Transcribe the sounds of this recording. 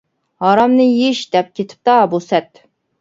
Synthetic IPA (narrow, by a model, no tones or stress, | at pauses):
hɑɾɑmnɨjiʃd̪ɛp̚kʲʰet̪ʰɪ̥p̚t̪ɑbusɛt̪